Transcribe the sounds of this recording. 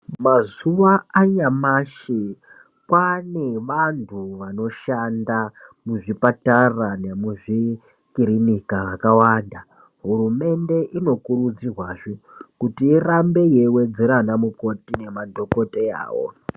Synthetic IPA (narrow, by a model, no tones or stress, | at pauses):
mazuʋaaɲamaʃe | kwane̞ʋantʰuʋano̞ʃandamuʐipatarane̞muʐi | kiɾinikaʋakawaːnda | ɦurume̞nde̞ʔino̞kuɾud͡zirwaːʐokutiːrambe̞je̞we̞d͡ze̞ɾanamuko̞tine̞madʱo̞ko̞tea̰ːwo̞̰